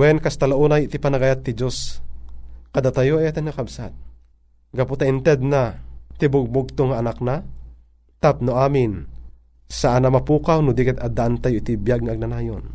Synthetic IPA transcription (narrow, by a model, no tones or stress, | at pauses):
wɛnkast̪alaʔuːnajɪt̪ipanaɡaːjat̪ːɪd͡ʒos | kɐd̪at̪ajoʔajat̪ɛnŋakabsat̪̚ | ɡaput̪aʔɪnt̪ɛd̪̚nat̪ɪbʊɡ̚bʊɡ̚t̪oŋaːnak̚na | t̪ap̚nʊʔaːmɪn | saʔanɐmɐpuːkawnʊd̪ikɛt̪ad̪aʔant̪ajoʔɪt̪ɪbjaɡ̚ŋaʔaɡ̚nanaːjon